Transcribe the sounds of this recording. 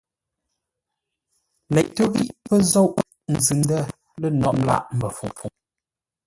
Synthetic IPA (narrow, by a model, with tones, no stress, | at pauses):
lɛ̰˨ʔto˦bḭ˦˨ʔpə˦zɔ˦˨wʔ | n̩˨zɨ˨n˦də˦ | lə˦˨nɔ̰˦˨ʔ̚mla̰˦˨ʔm̩˨bə˨fṵ˨fu˨ŋ